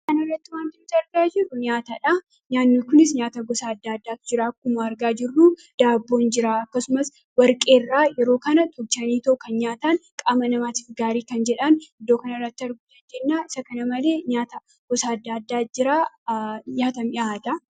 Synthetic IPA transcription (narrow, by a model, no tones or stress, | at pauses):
kɐnɐrːɐt̪ːɪwaːnt̪ɪmt̪ɐɾɡaːd͡ʒɪrːʊɲaːt̪ɐᶑɐ | ɲaːnːikʊnɪs̬ɲaːt̪ɐɡɔsaːd̪ːaːɐd̪ːaːt̪d͡ʒɪɾaːkːʊmaːɐɾɡaːd͡ʒɪrːu | d̪̥aːbːo̞ːnd͡ʒɪɾaːɐkːɐsʊmɐs | wɐɾkʼe̞ːrːaːjɛɾo̞ːkɐnɐt̪ʰɔb̚t͡ʃɐniːt̪ɐʔʊkɐnɲaːt̪ankʼaːmɐnɐmaːt̪ɪ̥fɡaːɾiːkɐnd͡ʒɛᶑɐnɪd̪ːoːkɐnɐrːɐt̪ːɪɐɾɡʊt̪ɐd͡ʒɛnːaːʔɪsɐkɐnɐmɐle̞ːɲaːt̪ɐ | ɡ̥ɔsaːɐd̪ːaːd̪ːaːd͡ʒɪɾaː | ɲaːt̪ɐmɪʔaːt̪ɐ